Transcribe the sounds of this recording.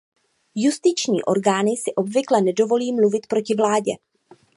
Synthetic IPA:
just̪ɪt͡ʃɲiːʔo̞ɾɡaːnɪsɪʔo̞bvɪklɛnɛdo̞vo̞liːmluvɪt̪pɾo̞cɪvlaːɟɛ

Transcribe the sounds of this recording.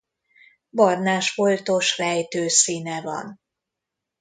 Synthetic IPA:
bɒrnaːʃfolt̪o̞ʃrɛjt̪øːsiːnɛvɒ̰n

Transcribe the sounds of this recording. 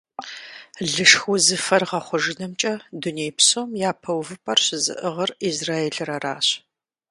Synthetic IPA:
ɮɨʂxʊzɨfɐrʁɐχʷʊʒɨnɐmt͡ʃʼɐdunejpsomjaːpʰɐwvɨpʼɐrɕɪzɨ̰ʔɨʁɐrizraːeɬɨɾɐraːɕ

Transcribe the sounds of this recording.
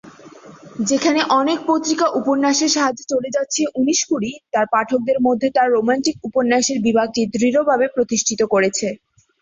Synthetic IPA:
d͡ʑekʰaneʔɔnek̚pot̪ːɾikaʔupoɾnːaʃeɾʃaɦad͡ʑːot͡ɕoled͡ʑatːɕʰeʔuniʃkuɽit̪aɾpaʈʰok̚d̪eɾmod̪ʱːet̪aɾːomanʈik̚uponːaʃeɾbibʱaɡ̚ʈid̪ɾiɾobʱabepɾot̪iʃʈʰit̪okoɾet͡ɕʰe

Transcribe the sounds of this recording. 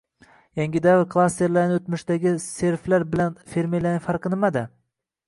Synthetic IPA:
jaŋɡʲɪd̪avɪɾkʰlˠast̪eɾlaɾnɪot̪mɪʃd̪aɡʲɪse̞ɾflaɾbɪlanfeɾmelaɪfɑɾqɨnɪmad̪ɪ

